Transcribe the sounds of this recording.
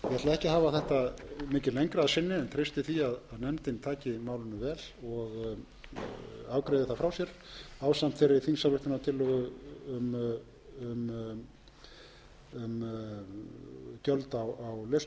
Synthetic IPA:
jɛt̪laðɛhcɪɦaːvaθɛht̪amɪːcɪlejɲkɾaaðsɪnːɪɛnt̪ʰɾejst̪ɪθiaðaðnɛmt̪ɪnt̪ʰaːcɪmaːwlɪnʏvɛːlɔɣ | aːwkɾejðɪθafɾawsjɛɾaːwsam̥t̪fɛɾːɪθinsalʏht̪ɪnat̪ʰɪlːɔɣʏʏm | ʏm | ʏm | cœlt̪awawlest̪

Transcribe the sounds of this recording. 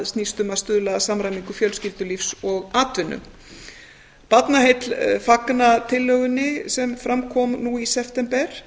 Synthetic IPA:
ðst̪niːst̪ʏmast̪ʏðlasamɾajmiŋkʏfjœlscɪlt̪ʏlifsɔɣaːt̪vɪnːʏ̰ | pat̪naɦejt̪lfaknat̪ʰɪlːœɣʏnːɪsɛmfɾamkʰɔmnuisɛft̪ɛmpɛɾ̥

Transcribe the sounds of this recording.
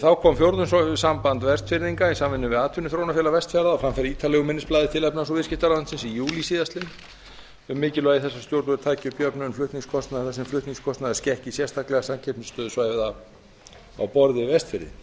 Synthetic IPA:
θawkʰɔmfjowɾt̪ʏnsɔsampant̪vɛst̪fɪɾðiŋkaisamvɪnːʏvɪðaːt̪ʰʏnʏθɾownafjɛlavɛst̪fɛɾðaɔfɾamfɪɾiːt̪ʰalɛɣʏmɪnɪsplaːðɪt̪ʰɪlɛpnans̬ɔvɪscɪht̪aɾaant̪sɪnsijuːlisiːðast̪lɪn | ʏmːɪːcɪlvœɣiθɛsːḁst̪jowɾt̪ʏvʏɾt̪ʰaːjcɪʏpjœpnʏʏnflʏht̪niŋskʰɔst̪naðθɛsːɛmflʏht̪niŋskʰɔst̪naðɪscɛhcɪsjɛst̪ʰaklɛɣasamcʰɛpnʏst̪œːðʏsvaːjvða | a̰wpɔɾðɪvɛst̪fɪɾðɪ̰n

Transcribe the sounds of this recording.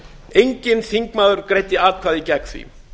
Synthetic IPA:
ejɲcɪnθiŋkmaːðʏɾ̥kɾejt̪ɪaːðkʰvaːðicɛkθvḭ

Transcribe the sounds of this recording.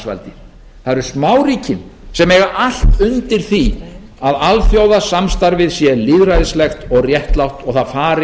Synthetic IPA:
sva̰lt̪ɪ̥ | θaðɾʏsmaːwɾiːcɪmsɛmɛːɣaʔal̥t̪ʏnt̪ɪɾ̥θi | aðalfjowðasamst̪aɾvɪðsjɛliðɾajðɪslɛxt̪ɔɣrjɛht̪lawht̪ɔɣθaðfaːɾɪ

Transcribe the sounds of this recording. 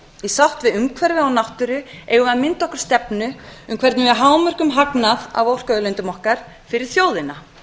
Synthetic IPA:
isawht̪vɪðʏmkʰvɛɾvʏawnawht̪ʏɾʏeːɣʏaðmɪnt̪ɔhkʏɾ̥st̪ɛpnʏʏmkʰvɛɾt̪nʏɛɦaːwmœr̥kʏmɦaknaða̰vowr̥kœðlʏnt̪ʏmɔhkaɾ̥ | fɪɾɪɾ̥θjoːwðɪna

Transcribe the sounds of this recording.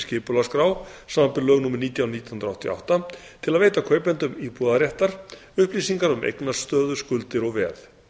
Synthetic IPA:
scɪːpʏlaskɾaːwsaːmampɪɾlœːɣnuːmɪɾniːt̪jawnit̪ːjhnɾaht̪ʰia̰wht̪a | t̪ʰɪlaðveːjt̪akʰœːɥjpɛnt̪ʏmiːpuðaɾjɛht̪aɾ̥ | ʏhpliːsiŋkaɾʏmʔḛjknḁst̪œːðʏskʏlt̪ɪɾɔɣvɛ̰ːθ

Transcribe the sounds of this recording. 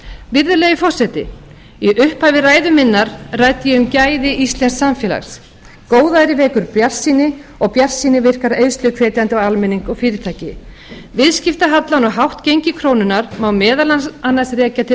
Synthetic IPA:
vɪɾðʏleːjɪfɔr̥sɛt̪ɪ̰ | iʔʏhpavɪraːjðʏmɪnːaɾraːjt̪ɪjɛʏmcaːjðɪʔist̪lɛnsːamfjɛːla̰xs | koːwðaɾɪvɛːkʏɾpjar̥sːiːnɪɔɣpjar̥siːnɪvɪr̥kaɾejðst̪lʏkʰvɛːt̪jant̪ɪɔɣalmɛniŋkɔɣfɪːɾɪt̪ʰaːjcɪ | vɪðscɪft̪aɦat̪lawnɔɦawht̪cejɲcɪkʰɾoːwnʏnaɾmawmɛːðalaanːasrɛːcat̪ʰɪ

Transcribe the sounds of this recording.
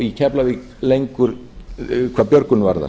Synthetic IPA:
icʰɛplavɪɣ | lejŋkʏɾ | kʰvaːpjœɾkʏnvaɾða̰

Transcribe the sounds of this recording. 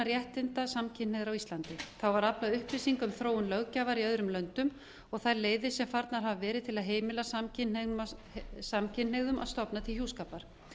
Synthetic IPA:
aɾjɛht̪ɪnt̪asamcʰɪneðɾawist̪lant̪ɪθawvaɾaplaðʏhpɪsiŋkʏmθɾoːwʏnlœɣcaːvaɾiœðɾʏmlœnt̪ʏm | ɔɣθajɾleːjðɪsɛmfaɾt̪naɾ̥ɦavavɛːɾɪðt̪ʰɪlaðɦeːjmɪlasamcɪne | samcʰɪneɣðʏmʔa̰ðst̪ɔpnat̪ʰɪlçjuːskaːpaɾ̥

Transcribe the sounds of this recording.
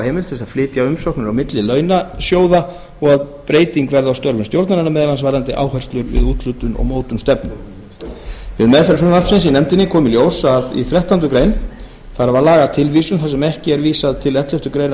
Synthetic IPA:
heːmɪlt̪θɛs̬aðflɪːt̪jaʏmsɔhknʏɾawmɪt̪lɪlœːɥnasjoːwða | ɔɣaðpɾeːjt̪iŋkvɛɾðawst̪œɾvʏnst̪jowɾt̪naɾanːamɛːðlansvajɾant̪ɪʔaːwhɛjr̥st̪lʏɾvɪ̰ðuːt̪lʏt̪ʏnɔ̰ɣmoːwt̪ʏnmst̪ɛpnʏm | vɪðmɛðfɛɾfʏmasɪns̬inɛmt̪ɪnːɪkʰɔːmɪljoːwsaðḭθɾɛht̪ant̪ʏkɾejn | θaɾavaɾlaːɣat̪ʰɪlvisʏmθasɛmɛhcɪɛɾviːsaðt̪ʰɪlɛt̪lœft̪ʏkɾejn

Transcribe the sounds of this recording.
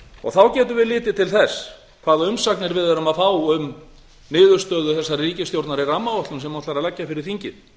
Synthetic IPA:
ɔ̰ɣθawcɛːt̪̬ʏvɪðlɪːt̪ɪt̪ʰɪlθɛsː | kʰv̥aːðʏmsaknɪɾvɪðaɾʏmaðfaːwʏm | nɪːðʏɾ̥st̪œːðʏθɛsːariːcɪst̪jowɾt̪naɾɪramːaɔht̪lʏmsɛmːɔt̪laɾaðlɛcːafɪɾɪɾ̥θiɲcɪð

